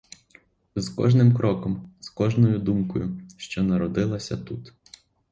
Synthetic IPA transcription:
zkɔ̰ʒnɪmkɾʔɔkɔmz̥kɔʒnɔjʊd̪umkɔjʊʃt͡ʃɔnɐɾɔd̪ɪlˠɐsʲɐ̰t̪ut̪

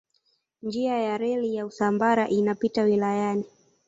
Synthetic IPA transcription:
nd͡ʒiajaɾɛlijausambaɾaʔinapitawilajani

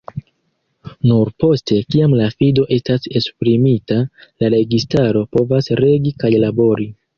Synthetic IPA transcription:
nuɾpo̞stʰe̞kiamlafido̞ʔe̞stase̞spɾimitalaɾe̞ɡistaɾo̞po̞vasɾe̞ɡikajlabo̞ɾi

